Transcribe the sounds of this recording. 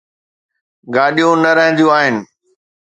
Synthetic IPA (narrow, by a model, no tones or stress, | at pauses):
ɡaːɗijũnɐɾɐɦə̃n̆d̪ijũaːɦɪnɪ̆